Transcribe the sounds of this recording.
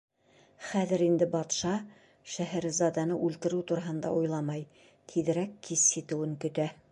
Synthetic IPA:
χæðɘɾind̪ɘbɑt̪ʃɑ | ʃæɦæɾɘzɑd̪ɑnɤʔʉlt̪ɘ̆ɾɘwt̪uɾɑɦɤ̆nd̪ɑ̰ujlˠɑmɑj | t̪ʰiðɘ̆ɾækːisːit̪ɘ̆wɘ̆ŋkɵ̆t̪æ

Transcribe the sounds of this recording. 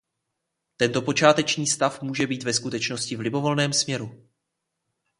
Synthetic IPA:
t̪ɛnt̪o̞po̞t͡ʃaːt̪ɛt͡ʃɲiːst̪afmuːʒɛbiːt̪vɛskut̪ɛt͡ʃno̞scɪvlɪbo̞vo̞lnɛːmsmɲɛɾu

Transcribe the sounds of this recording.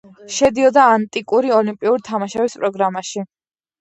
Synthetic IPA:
ʃɛd̪iɔd̪aːnt̪ʼikʼuɾiɔlimpʼiuɾt̪ʰamaʃɛispʼɾɔɡɾamaʃi

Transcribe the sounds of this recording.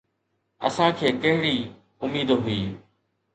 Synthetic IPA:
ə̰sãkʰeːkɐɦɪɽiː | ʊmiːd̪ɦʊiː

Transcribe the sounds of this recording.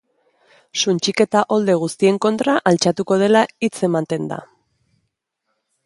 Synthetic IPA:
sunt͡ʃike̞t̪aʔo̞ld̪e̞ɣ̞ust̪ie̞ŋko̞nt̪ɾaʔalt͡ʃat̪uko̞ð̞e̞lait͡se̞mant̪e̞nd̪a̰

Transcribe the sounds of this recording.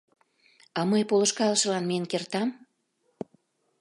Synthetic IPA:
ɑmɤjpoləʃkɑləʃə̆lɑnmejənkert̪ɑm

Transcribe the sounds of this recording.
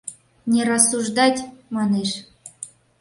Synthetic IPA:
nʲeɾɑsːuʐd̪ɑtʲmɑneʃ

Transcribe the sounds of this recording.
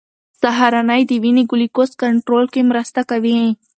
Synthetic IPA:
saɦaɾanajd̪iwiniɡʊlikost̪kaɳʈɾolkemɾəst̪akawiẽ

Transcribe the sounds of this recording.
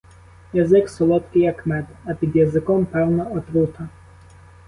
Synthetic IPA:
jazɪksɔlˠɔt̪kijakmɛd̪apʲid̪jazɘkɔmpɛwnaɔt̪ɾut̪ʰa

